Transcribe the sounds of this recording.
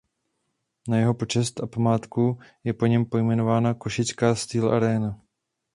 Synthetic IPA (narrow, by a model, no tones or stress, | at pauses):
najɛɦo̞po̞t͡ʃɛst̪ʔapamaːt̪kujɛpo̞ɲɛmpo̞jmɛno̞vaːnako̞ʃɪt͡skaːst̪iːlʔa̰ɾɛːna